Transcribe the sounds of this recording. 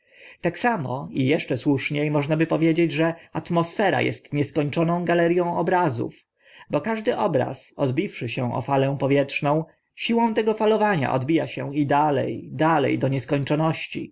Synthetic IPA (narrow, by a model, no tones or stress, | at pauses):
t̪aksamɔ̰ijɛʂt͡ʂɛswuʂɲejmɔʐnabɘpɔvʲjed͡ʑed͡ʑʐɛat̪mɔsfɛɾa̰jɛ̰st̪ɲɛskɔɲt͡ʂɔnɔ̃w̃ɡalɛɾʲjɔ̃w̃ɔbɾazṵf | bɔkaʐd̪ɘʔɔbɾa̰sɔd̪bʲifʂɘɕɛʔɔ̰falɛ̃pɔvʲjɛtʂnɔ̃w̃ | ɕiwɔ̃w̃t̪ɛɡɔfalɔvaɲa̰ʔɔ̰d̪bʲijaɕɛid̪alɛ̰jd̪alɛ̰jd̪ɔɲɛskɔɲt͡ʂɔnɔɕt͡ɕḭ